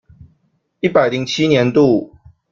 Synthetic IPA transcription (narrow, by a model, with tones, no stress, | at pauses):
i˥˩pa˨˩ɪli˨˦ŋt͡ɕʰi˦njɛ˨˧˦nt̪u˥˨